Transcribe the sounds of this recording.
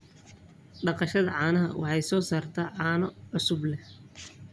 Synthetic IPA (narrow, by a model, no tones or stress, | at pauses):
ɖɑqɑʃɐðɐʕɑːnɐɦɐ̰wʔɑ̰ħɑjsɔːsaːrt̪ʰɐːʕɑːnɐʕʊsʊblɛ